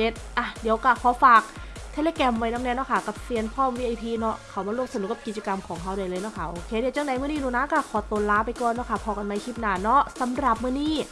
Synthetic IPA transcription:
e˧˦t̪̚ʔa˧˩diː˨˩˦əwka˧˩pʰɔː˨˧˦faː˨˩k̚t̪ʰe˧˥leː˧kɛː˧mwa˧jna˦˥ŋnɛ˧˥˨nɔ˦˥˩kʰa˦˥˩ka˨˧˩p̚si˧ənpʰɔː˥˩mwiː˧ʔa˧jpʰiː˧nɔ˦˥kʰa˨˩wmaː˧ɾu˥˩ək̚sn˨˦ka˨˩ki˨˩t̪̚t͡ɕa˧ka˧mkʰɔː˩˦ŋɦʰa˦˥˩wdaː˧˩jlɤː˧jnɔ˧˦˥kʰa˧˩ʔoː˧kʰeː˧˩di˨˧˦wt͡ɕa˧˩˨nda˨˦mɯ˥˩˨niː˥˨nuː˧˩˨na˧˦˥ka˧˩kʰɔː˨˩˦t̪oː˧˦laː˦˥pa˧jkɔː˨˩nːɔː˦˥kʰa˧˥˩pʰɔː˧˩ka˧nma˧˥jkʰi˦˥˩p̚naː˧˩nɔ˦˥sa˨˦mɾa˨˩p̚mɯ˥˩˨niː˥˩

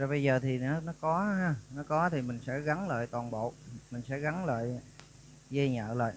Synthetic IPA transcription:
zɔ˨˧˩ɓə˧jzəː˨˩t̪ʰi˨˩nɔ˨˦nɔ˨˦kɔ˨˦ɦaː˧nɔ˨˦kɔ˨˦t̪ʰi˨˩mï˨˩ŋ̟sɛ̰˧˥ɣa˨˦nlə̰ː˧˨jt̪waː˨˩nɓo̰˧˨mï˨˩ŋ̟sɛ̰˧˥ɣa˨˦nlə̰ː˧˨j | zə˧ɲə̰ː˧˨lə̰ː˧˨j

